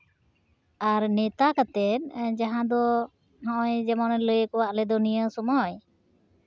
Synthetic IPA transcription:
aɾnɛt̪akat̪ɛt̪̚ˀd͡ʒaɦãd̪ɔ | ɦɔ̃ʔɔjd͡ʒɛmɔnɛləjəkɔwaʔlɛd̪ɔnijəsɔmɔj

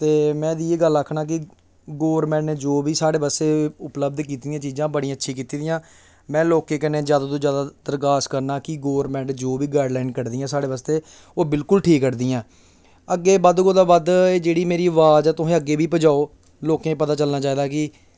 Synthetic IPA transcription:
t̪eːmɛ̃ːd̪iːeːɡələkʰːnaːk̬ɪ | ɡoːɾmɛ̃ːɳeːd͡ʒoːbiːsaːɽeːbəst̪eːʊpləb̚d̪k̬iːt̪ːijãːt͡ʃiːd͡ʒãːbəɽĩãətːʃʰĩːkiːt̪iːd̪ijãː | mɛ̃ːloːkẽːkɛnẽːzjaːd̪aːt̪õːd͡ʒjaːd̪aːd̪̥əɾɡaːskəɾnaːkɪɡoːɾmɛ̃ːɳʈd͡ʒoːbiːɡaːɖlaːɪnkəɾd̪iːãːsaːɽeːʋəst̪eː | oːbɪlkʊlʈʰiːkːəɾd̪iːaɛ̃ː | əɡːeːbəd̪koːd̪aːbəd̪eːd͡ʒeːɽiːmeːɾiːʋaːd͡ʒɛːt̪ʊɦẽːəɡːeːbiːpəd͡ʒaːoː | loːkẽːpət̪aːt͡ʃəlnaːt͡ʃaːiːd̪aːkɪ

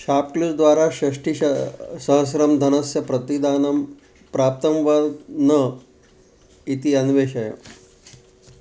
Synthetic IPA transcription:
ɕap̚klud͡zd̪ʋaɾaɕɐʂʈisəɦəsɾəmd̪ʱɐnəsjɐpɾɐt̪id̪anɐm | pɾap̚t̪əmʋad̪nə | it̪iɐnʋeɕɐjə̰

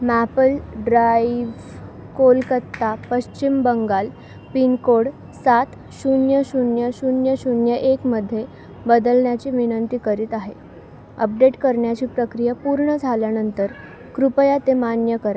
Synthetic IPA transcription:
mæpəlɖɾaiʋ | kolkət̪ːapəɕt͡ɕimbəŋɡal | pinkoɽ | sat̪ | ɕunjəɕunjəɕunjəɕunjəʔekməd̪ʱːje | bəd̪əlɳjat͡ɕiːʋinənt̪iːkəɾiːt̪aɦe | ə̰p̚ɖeʈkəɾɳjat͡ɕiːpɾəkɾijəpuɾɳəd͡zʱaljanənt̪əɾ | kɾupəjat̪emanjəkəɾa

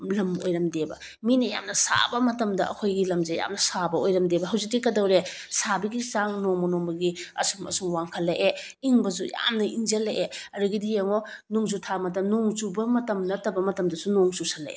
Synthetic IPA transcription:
lɐmo̰jɾɐmdebɐ̰ | minɐja̰mnɐsa̰bɐmɐtɐmdɐɐ̰kʰojɡilɐmzeja̰mnɐsabɐojɾɐmdebɐɦɐwzik̚dikɐdɐwɾe | sabiɡizaŋnoŋmɐnombɐɡiɐ̰sumɐ̰suŋwaŋkʰɐlːɐjʔe | iŋbɐz̬uja̰mnɐʔiŋzɐlɐjʔeɐɾuɡidijeŋonuŋzutʰamɐtɐnoŋzubɐmɐtɐmnɐtɐbɐmɐtɐmdɐsunoŋsusalɐ̰ʔḛ

